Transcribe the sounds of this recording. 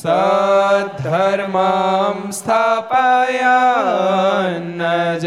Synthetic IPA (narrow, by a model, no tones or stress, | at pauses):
sɐ | d̪ʱɐɾmamst̪ʰapaja | nːɐd͡ʒ